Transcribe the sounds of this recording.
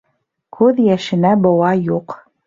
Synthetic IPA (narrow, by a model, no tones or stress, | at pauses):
kʰʉðjæʃɘ̆næbɤ̆wɑjuq